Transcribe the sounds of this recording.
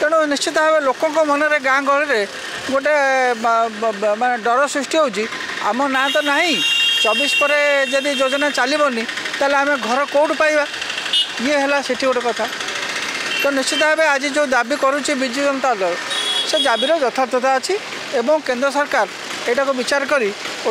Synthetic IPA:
k̪eɽ̃ɔnist͡ʃit̪̬ɔɦebelokɔŋkɔmɔnɔɾeɡãŋɡʱɔɾiɾe | ɡoʈ̬e | maneɖɔɾɔsɾisʈiɦout͡ʃʰi | a̰mɔnat̪̬ɔnaɦĩt͡ʃɔbispɔɾed͡ʒɔd̪id͡ʒod͡ʒɔnat͡ʃalibɔni | t̪aɦleameɡʱɔɾɔkowʈpajba | ieɦelaseʈʰiɡoʈekɔt̪ʰa | t̪ɔnist͡ʃit̪̬ɔebead͡ʒid͡ʒẽd̪abikɔɾut͡ʃʰibid͡ʒiɡɔnt̪alɔsed͡ʒabiɾɔd͡ʒɔt̪ʰapt̪ʰɔt̪ʰaːt͡ʃʰi | ebɔŋkend̪ɾɔsɔɾkaɾ | ejʈakubit͡ʃaɾɔkɔɾi

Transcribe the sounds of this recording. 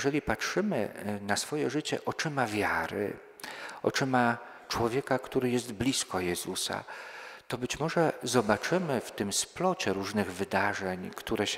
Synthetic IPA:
ʐɛlʲipatʂɘmɘ̰nasfɔjɛʐɘt͡ɕɛ̰ʔɔt͡ʂɘmavʲjaɾɘ̰ | ɔ̰t͡ʂɘma | t͡ʂwɔvʲjɛkakt̪uɾɘjɛst̪blʲiskɔjɛzusa̰t̪ɔbɘt͡ɕmɔʐɛzɔbat͡ʂɘmɘft̪ɘmsplɔt͡ɕɛɾuʐnɘɣvɘd̪aʐɛɲkt̪uɾɛɕ

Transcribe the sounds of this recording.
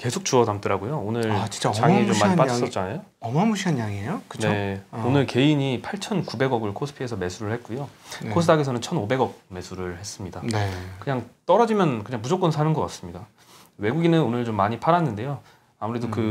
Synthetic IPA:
ke̞sʰok̚t͡ɕuʌdamt͈ɯɾaɡojoonɯɭt͡ɕi̥t͡ɕ͈aaŋit͡ɕomːaiipads͈ʌt̚t͡ɕ͈anajoʌmamuɕʰiɦanɲjaŋiejokɯ̥nt͡ɕneoonɯɭke̞iɲipʰaɭt͡ɕʰʌnkube̞ɡʌɡɯɭkʰosʰɯ̥pʰiesʰʌme̞sʰuɾɯɭhe̞t̚k͈ujokʰosʰɯdaɡesʰʌnɯnt͡ɕʰʌnobe̞ɡʌk̚me̞sʰuɾɯɭhe̞s͈ɯmɲidankɯɲaŋt͈ʌɾʌd͡ʑimjʌnkɯɲaŋmpud͡ʑok͈ʌnsʰanɯnɡʌk͈ats͈ɯmɲida | we̞ɡuɡinɯnonɯɭt͡ɕomːaɲipʰaɾanːɯnde̞jo | amuɾe̞dokɯ

